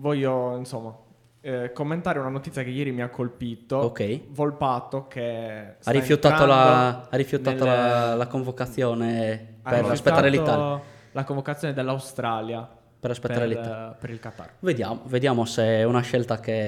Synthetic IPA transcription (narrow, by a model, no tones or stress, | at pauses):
vɔʎːoinsomːa | komːent̪aːɾeunanot̪it̪sjakejeːɾimiakʰːolpiːt̪ookɛjvolpat̪ːokesarːifjut̪ːaːt̪olaarːifjut̪aːolalakoɱvokat̪sːjɔːneaeriaspet̪ːaɾelit̪ːa | lakoɱvokat̪sːjɔned̪elːawst̪ɾaːlja | pɛraspet̪ːaɾelit̪ːapeɾilkat̪ːa̰rved̪ja̰ːmoved̪jaːmoseɛunaʃɛlt̪ake